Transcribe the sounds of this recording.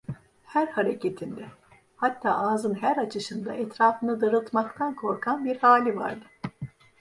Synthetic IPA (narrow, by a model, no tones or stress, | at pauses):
hæɾhaɾecʰet̪ʰind̪ɛ | hat̪ʰːa̰ːʔaːzɯnɦæɾat͡ʃʰɯʃɯnd̪a̰ʔɛt̪ɾaːfɯnɯd̪ɯɾɯlˠt̪makt̪ʰankʰo̞ɾkʰanbiɾhaːlʲiva̰ɾd̪ɯ